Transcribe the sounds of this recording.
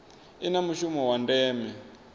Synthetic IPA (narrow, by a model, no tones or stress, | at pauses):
inamuʃumɔwandɛːmɛ